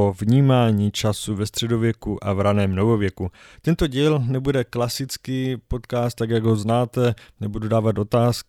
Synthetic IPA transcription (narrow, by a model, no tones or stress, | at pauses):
ovɲiːmaːɲiːt͡ʃasuvɛst̪r̝̥ɛdovjɛkuʔavɾanɛːmnovovjɛkut̪ɛnt̪o̞ɟiːlnɛbudɛklasɪt͡skiːpo̞t̪kaːst̪ːaɡjaɡɦo̞znaːt̪ɛnɛbududaːvat̪ʔo̞t̪aːsk